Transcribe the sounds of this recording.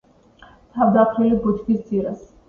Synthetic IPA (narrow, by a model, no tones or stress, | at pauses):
t̪ʰavd̪apʰɾilibɔt̪ʰkʰisd̪zʼiɾas